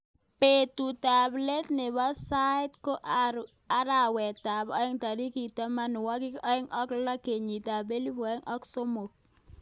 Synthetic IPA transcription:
pe˨tu˨ta˨ble˦tnɪ˨ba˦sa˦ɪ˦tko˦ʔ | a˦ɾa˨wɛ˨ta˨bɔ˦ɪ˦ŋta˨ɾi˦ki˨ta˦ma˦n˨wɔ˦kɪ˦kɔ˦ɪ˦ŋɔ˦kla˦ke˨ɲi˨ta˨be˦li˦pɔ˨˦ɪ˦ŋʔɔ˦kso˦mo˨k̚

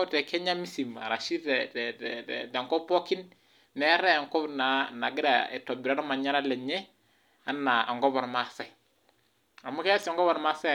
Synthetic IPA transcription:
tɛ˨kʰɛ˦ɲa˦mi˦si˨ma̰˨ɾa˨ʃi˦tɛ˨tɛ˨ɛɛtɛ˨ŋkɔ˦pɔ˦ki˦n | nɛ˨˦ɾɛ˦a˨ŋkɔ˦bna˨na˨ɡi˦ɾa̰˨ɛ̰˨tɔ˨bi˨ɾa˦ɾa˦ma˨ɲa˦ɾa˦lɛ˨ɲɛ˦ | a˦na˨ɔ̰˨ŋɡɔ˦bɔ˨ɾma˨sa˦˨ | a˨mu˦kɛ˦sɔ˨ŋɡɔ˦βɔ˨ɾma˦sɛ˦˨

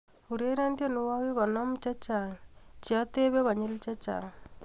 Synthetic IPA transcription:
u˨ɾe˦ɾa˦ndjɔ˦nʊ˦wɔ˦kɪ˦kɔ˨nɔ˦mt͡ʃa˦t͡ʃa˨t͡ʃi˨ɔ˦t̪e˦βe˦kɔ˨ɲɪ˦lt͡ʃa˦t͡ʃa̰˨

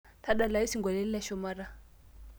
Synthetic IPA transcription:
ta˦ɗa˨la˨i˦si˦ŋɡwa˨lɛ˦li˦la˦ʃɔ˨ma˦ɾa˨

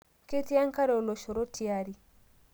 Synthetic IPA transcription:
ke˦ti˦a˦ŋ˦ka˦ɾɛ˨o˨lo˨ʃɔ˨ɾo˦tʰi˨a˨ɾi˨

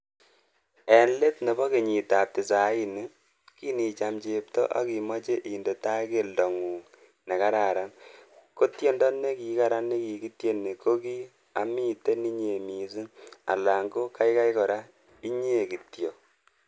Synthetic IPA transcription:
ɛ˨nle˦tne˨bɔ˦ki˨ɲi˨ta˨p̚tɪ˨sa˨˦i˦ni˨˦ | ki˦ni˨t͡ʃa˨mt͡ʃe˨p̚tɔ̰˦ʔa̰˦ki˨mɔ˦t͡ʃe˦ʔi˨nde˨ta˦ke˦ldɔ˨ŋuː˨ | ne˨ka˦ɾa˨ɾa˦nko˦tje˦ndɔ˦nːe˦ki˨ka˦ɾa˦nːe˦ki˨ki˦tje˦nːe˨ko˦ki˦ | a̰˨mi˦te˦ni˦ɲe˨mi˨su˦a̰˨la˨ŋɡo˦ka˦jka˦jkɔ˨ɾa˦ | i˦ɲe˦˨ki˨tjo˨

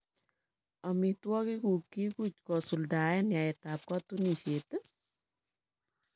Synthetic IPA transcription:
ɔ˨mi˨twɔ˦ki˦ku˨kːi˦ku˦t͡ʃ̚kɔ˨su˨lda˨ɛ˦nja˨ɛ˨ta˨p̚kɔ˦tu˦ni˨se˨t

